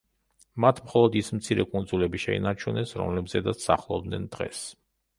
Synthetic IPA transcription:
mat̪ʰmχɔlˠɔd̪ismt̪sʰiɾɛkʼund̪zulɛbiʃɛḭnaɾt͡ʃʰunɛsɾɔ̰mlɛbzɛd̪at̪ssa̰χlˠɔb̚d̪nɛnd̪̥ʁɛ̰s

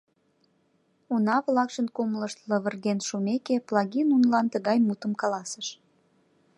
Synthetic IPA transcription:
unɑβlɑkʃənkumləʃt̪ləβərɣenʃumekeplɑɣinunlɑnt̪əɣɑjmut̪əmkɑlɑsəʃ

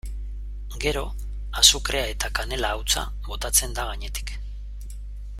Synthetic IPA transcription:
ɡe̞ɾo̞ | asukɾe̞ae̞t̪akane̞laːwt͡sa̰ | βo̞t̪at͡se̞nd̪aɣ̞aɲe̞t̪i̥k

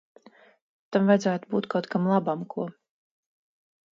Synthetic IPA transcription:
t̪amvajdzaːt̪ubuːt̪kʰawt̪kamlˠabamkʰuɔ

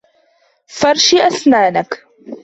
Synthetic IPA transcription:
fɑɾˤʃiʔasnaːnak

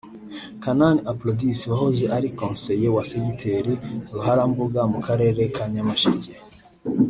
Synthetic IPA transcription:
kananiaplodisiwahozeʔaɾikõːnse̞jewasemitʰeɾiɾuɦaɾambuɡamukaɾe̞ːɾe̞kʰaɲamaʃice

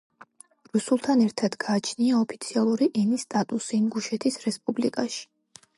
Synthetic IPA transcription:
ɾusulˠt̪ʰanɛɾt̪ʰad̪̥ɡaːt͡ʃʰniaɔpʰit̪sʰialˠuɾiʔɛnist̪ʼat̪ʼusimɡuʃɛt̪ʰisɾɛspʼublikʼaʃi̥

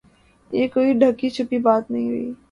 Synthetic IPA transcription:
jekoːiɖʱɐkːit͡ʃʰʊpibaːt̪nɐɦĩɦʊḭː

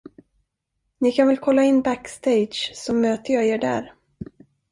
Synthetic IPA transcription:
nɪkʰanvɛlkʰɔlːaɪnːbækst̪ʰejd̪ɕsɔmøːt̪əjɑeːɖæ̰ːɾ

